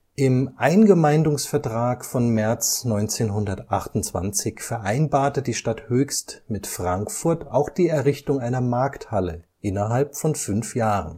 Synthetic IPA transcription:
ʔɪmʔaɪnɡəmaɪndʊŋsfɛɐtʁ̥aːkfɔnmɛɐt͡snɔʏnt͡seːnɦʊndɐtʔa̰χtʊnt͡sv̥a̰nt͡sɪçfɛɐʔaɪnbaːɐtədiːʃtathøːçstmɪtfʁ̥aŋkfʊɐtaʊxd̥iːɛɐʁɪçtʊŋaɪnɐmaɐkthaləʔɪnɐɦalpfɔnfʏnfjaːʁən

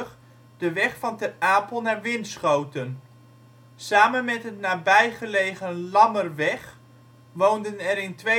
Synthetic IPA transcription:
χ | d̥əʋɛχfɑntɛraːpəlˠnaːɹʋɪnsχowtən | saːmənmɛtɦətnaːbɛjχəlejχənlɑmərʋɛχ | ʋowndənɛɾɪntʋe

